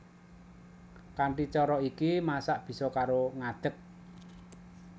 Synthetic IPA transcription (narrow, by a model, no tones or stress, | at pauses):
kaɳʈit͡ʃɔɾɔikimasaʔb̥i̤sɔkaɾoŋad̪̥ə̤k̚